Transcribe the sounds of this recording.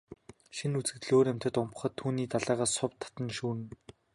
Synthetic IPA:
ʃinut͡sɘ̆kt̪ɮoːɾæm̥ʲt̪ə̆t̪ʊmp̆χɞ̆t̪ʰːuːniːt̪aɮæːʁaːsʊpt̪ʰːḁt̪ə̆nʃuːnn

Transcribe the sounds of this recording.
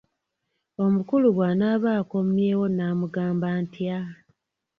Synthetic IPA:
o̞mukuluɡwanaːβaːkomje̞ːwo̞naːmuɡaːmbaːntja

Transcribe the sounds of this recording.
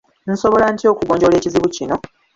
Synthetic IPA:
n̩so̞βo̞lantio̞ːkuɡo̞ːɲɟo̞le̞ːciziβucino̞

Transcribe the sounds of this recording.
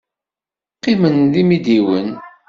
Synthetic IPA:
qːimənðimid̪iwən

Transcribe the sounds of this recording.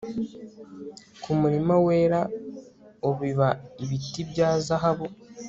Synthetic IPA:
kʰumuɾimaweːɾa | oβiβaiβitibjaːzaɦaβo̞

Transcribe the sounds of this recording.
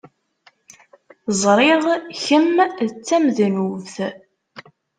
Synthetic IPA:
zˤɾˤeðˤçəmt͡sːæmðnuvθ

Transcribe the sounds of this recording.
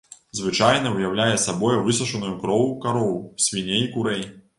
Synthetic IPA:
zvɨt͡ʂajn̪ɐwjawlʲajɛsabɔjɛvɨsɐʂɐnujukɾɔwukaɾɔwwsʲvʲinʲeikuɾɛj

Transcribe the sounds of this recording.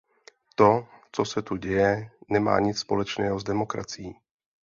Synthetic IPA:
t̪o̞t͡so̞sɛt̪uɟɛjɛnɛma̰ːɲɪt͡sspo̞lɛt͡ʃnɛːɦozdɛmo̞kɾa̰t͡sɪjiː

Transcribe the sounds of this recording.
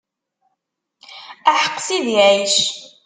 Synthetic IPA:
æħəqːsiðjæjʃ

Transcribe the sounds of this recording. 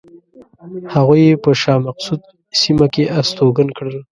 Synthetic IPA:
haɣujepəʃɑmaqsud̪̚ | simakeʔast̪oɡankɽəl

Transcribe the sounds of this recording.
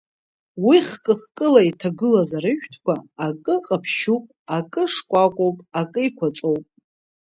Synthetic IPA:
wiχkʼɨχkʼɨlaitʰaɡɨlazaɾɨʒᶣtʰkʷaːkʼɨqʼapʰʃupʼ | akʼɨʂkʷʼakʷʼowpʼakʼɨikʷʰat͡ʃʷʼo̞wpʼ

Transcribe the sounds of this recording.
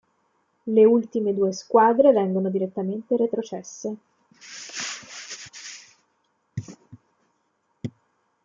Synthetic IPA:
leult̪imed̪uːeskwaːd̪ɾevɛŋɡonod̪iɾet̪ːament̪eɾet̪ɾot͡ʃɛsːe

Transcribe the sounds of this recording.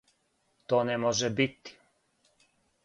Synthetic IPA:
t̪oːnɛmɔʒɛbit̪i̥

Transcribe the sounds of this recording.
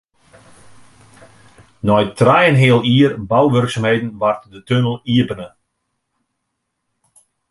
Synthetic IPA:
nɔjtrɛjənɦeəlˠiərbawʋørksamheːdn̩ʋartdətønəlˠiəbənə

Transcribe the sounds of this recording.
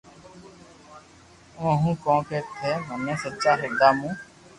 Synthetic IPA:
õːɦũːkõːkeːt̪ʰeːmənẽːsətːt͡ʃaːɦɪd̪aːmũː

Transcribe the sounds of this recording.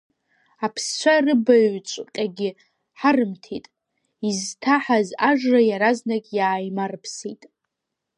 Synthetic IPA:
apʰst͡ʃʷʰarɨbaɥt͡ʃʷʼqʲʼaɡʲɪ | ħarɨmtʰitʼ | iztʰaħazaʐrajaɾaznakʲʼjaːjmarpʰsitʼ

